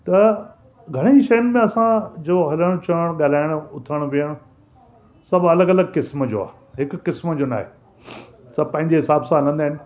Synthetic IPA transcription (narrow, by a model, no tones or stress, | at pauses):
t̪ɐ | ɡʱɐɽ̃eiʃɐjənɪ̆mẽɐsãd͡ʑoɦɐləɽ̃t͡ɕɐəɽ̃ɠaːl̤aːɪɽ̃ʊt̪ʰəɽ̃ʋiəɽ̃ | sɐbʱɐləɡɐləɡkɪsmd͡ʑo̰ːa̰ː | ɦɪkːɪsmd͡ʑona̰ːɦḛː | sɐbpɐ̃ɦɪ̃ɲd͡ʑeɦɪsaːbsãɦɐlə̃nd̪aːɦɪnɪ̆